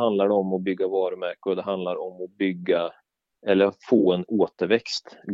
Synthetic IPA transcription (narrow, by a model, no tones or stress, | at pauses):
and̪laɖɛɔmɔbʏɡːavɑːɾɵmæɾkʊɾd̪ɛɦand̪laɾɔmɔbʏɡːa | ɛlːəɾfoːɛnoːt̪əɾvɛkst̪ɡ